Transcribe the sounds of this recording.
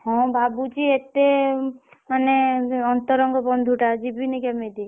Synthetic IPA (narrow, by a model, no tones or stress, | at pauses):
hɔ̃babut͡ʃiet̪e | maneɔnt̪ɔɾɔŋɡɔbɔnd̪ʱuʈad͡ʒibinikɛmed̪i